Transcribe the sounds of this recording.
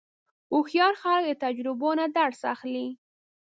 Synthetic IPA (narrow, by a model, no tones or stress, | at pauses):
ʊxjɑɾxɑlk̚d̪ət̪ad͡ʒɾɪbonad̪aɽsa̰xli